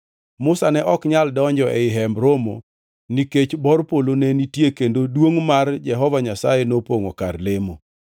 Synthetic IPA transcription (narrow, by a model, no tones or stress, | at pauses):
mʊsanɛʔɔkɲaldɔɲd͡ʒɔʔɛɪɦɛmbɾomo | niket͡ʃbɔrpolonɛnitjekendodwoŋmard͡ʒɛɦɔvaɲasajenopoŋokarlemo